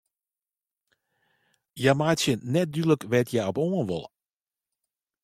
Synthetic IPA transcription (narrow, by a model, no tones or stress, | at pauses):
jamaːtjənɛt̚dyləkʋɛtjɛɔpoːənʋɔ̰lˠ